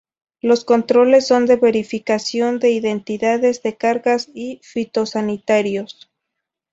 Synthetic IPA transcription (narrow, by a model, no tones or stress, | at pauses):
lo̞sko̞nt̪ɾo̞le̞sːo̞nd̪e̞βe̞ɾifikasjo̞nd̪e̞iðe̞nt̪iðaðe̞zðe̞kaɾɣasifit̪o̞sanit̪aɾjo̞s